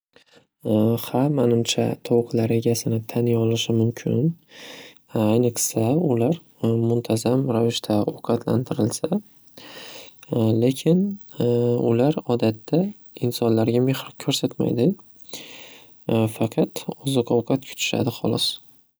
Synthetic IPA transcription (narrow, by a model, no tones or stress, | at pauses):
hamanɪmt͡ʃʰa̰t̪ʰɒwqʰlaɾe̞ɡʲasɪnɪt̪ʰanjɒlɪʃɪmʊmkʲʰɪ̰n | ajnɪqʰɪ̥saʊlaɾ | mʊnt̪ʰazamɾavɪʃt̪ʰaoqʰɑt̪ʰlant̪ʰɪɾɪlsa | le̞kʲʰɪn | ʊlaɾɒd̪at̪ːa | ɪnsɒnlaɾɡʲame̞hɾɒkʲʰɵɾsat̪ma̰jd̪ɪ | fɑqʰɑt̪ɒzɨqɒwqʰɑt̪kʲʰʊ̥t̪ʰɪ̥ʃa̰d̪ɪχɒ̰lˠɒs